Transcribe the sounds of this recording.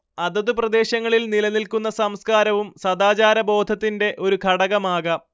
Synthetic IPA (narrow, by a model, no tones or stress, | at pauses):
ɐðɐðuprɐd̪e̞ːɕɐŋːɐɭilnilɐnilkunːɐsɐmskaːɾɐʋumsɐd̪aːt͡ɕaːɾɐbo̞ːd̪ʱɐt̪ːinde̞ʔo̞ɾukʰɐɽɐɣɐmaːɣɐ